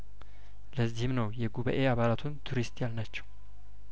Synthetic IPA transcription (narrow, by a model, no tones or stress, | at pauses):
ləzːihɪmnəwjɛɡuβə̰ʔeaβalat̪ʰunt̪ʰuɾist̪jalnat͡ʃːɛ̥w